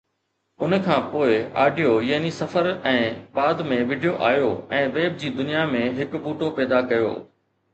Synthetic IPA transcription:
ʊnkʰãːpoːɪa̰ːɖijojaːnisɐfəɾɛ̃ːbaːd̪mẽʋɪɖijoʔaːjoɛ̃ːʋeːb̚d͡ʑiːd̪ʊnijamẽɦɪkbuːʈopɛːd̪akɐjo̰ː

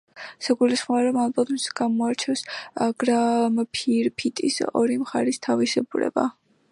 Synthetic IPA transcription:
saɡulisχmɔaɾɔmalˠbat̪msɡ̥amɔaɾt͡ʃʰɛfsaɡ̥ɾampʰiɾpʰit̪ʼḭsɔ̰ɾimχaɾist̪ʰavisɛbuɾɛ̰ba̰

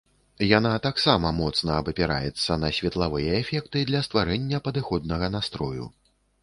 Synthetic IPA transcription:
janat̪aksamɐmɔt̪snɐːbɐpʲɛɾa̰jɛt̪sːɐnɐsʲvʲɛt̪lˠavɨjɐɛfʲɛkt̪ɨd̪lʲɐst̪vaɾɛnʲːɐpɐd̪ɨxɔd̪̚nɐɣɐnast̪ɾɔjṵ

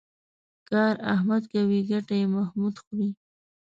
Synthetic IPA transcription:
kɑɾahmad̪ɡawiɡaʈajemahmud̪xɾi

